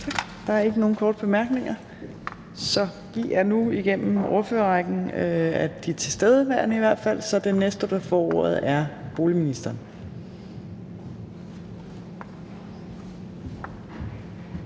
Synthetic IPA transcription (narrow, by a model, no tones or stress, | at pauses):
t͡sʰɑɡ̥d̥ɑ̈æɐe̝ɡ̥əno̝ːn̩kʰɒːd̥əb̥e̝mæɐɡ̥ne̝ŋɐ | sɒ̽ | ʋiʔæɐnuiɡ̥en̰m̩ooɐføːɐʁaɡ̥n̩æd̥it͡sʰe̝sd̥eð̞ˠəʋæɐ̰nəiʋæɐ̰d̥fæl̰sɒ̽d̥e̝nesd̥əd̥ɑ̈fɒːo̰ɐ̰ð̞̩ˠæɐb̥o̝ːliminisd̥ɐːn